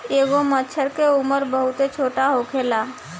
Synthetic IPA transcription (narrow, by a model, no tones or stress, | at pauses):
eːɡomət͡ʃʰəɾkeʊməɾbəɦʊt̪et͡ʃʰoːʈaɦokʰeːlaː